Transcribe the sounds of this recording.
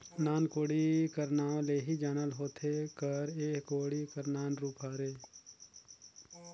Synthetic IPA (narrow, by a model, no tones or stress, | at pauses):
naːnkoːɽikəɾnaːwleːɦid͡ʒaːnəlɦoːt̪ʰekəɾeːkkoːɽikəɾnaːnɾuːpɦaːɾeː